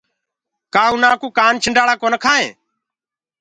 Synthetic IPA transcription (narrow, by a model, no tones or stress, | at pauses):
kaːũːnãːkuːkaːnt͡ʃʰɪɳɖaːɽaːkoːnəkʰaːɦḛ̃ː